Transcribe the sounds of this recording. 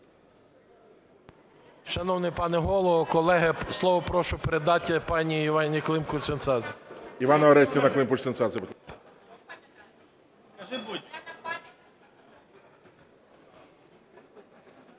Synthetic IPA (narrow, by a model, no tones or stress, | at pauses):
ʃɐnɔwnɪpɑnɛɦɔlˠɔʋɔkɔlˠɛɦɐslˠɔʋɔpɾɔʃʊpeɾed̪ɑtʲːɐpɑnʲiːʋɑnʲiklˠɪmkʊʃsensɑzʲiʋɑnɐɔɾɛsʲtʲinɐklˠɪmkʊt͡ʃt̪sensɑsʲɪp | kɐʒɪbudʲɐ